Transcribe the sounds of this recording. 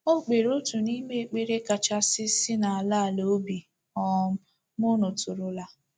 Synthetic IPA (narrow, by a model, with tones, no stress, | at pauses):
o˦k͡pe˨ɾo˦tu˨ni˦ɡ͡be˦˨k͡pe˦ɾe˦ka˨t͡ʃa˦sɪ˦sɪ˦na˨a˨la˦˨lo˨˦bi˨ | ɔ˨m̩˦ | mʊ˦no˨tʊ˨ɾʊ˨la˨